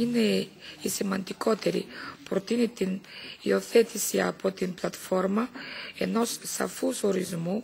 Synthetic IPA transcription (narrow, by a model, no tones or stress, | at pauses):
ine̞isimɐnd̪iko̞t̪e̞ɾḭpɾo̞t̪init̪inio̞θe̞t̪isiɐ̰po̞t̪implɐt̪fo̞ɾmɐe̞no̞ssɐ̰fuso̞ɾizmu